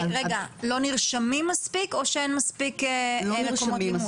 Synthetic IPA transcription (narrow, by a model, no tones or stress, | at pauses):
ʁeɡalo̞niʁʃamimːaspiko̞ʃeenmaspikelekomom